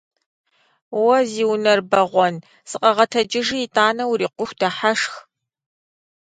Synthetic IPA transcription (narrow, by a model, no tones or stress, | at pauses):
wɐziːwnɐrbɐʁʷɔn | sɨqʼɐʁɐtʰɐd͡ʒɪʒiːtʼaːnɐwɾiːqʷʊxʷdɐħaʂx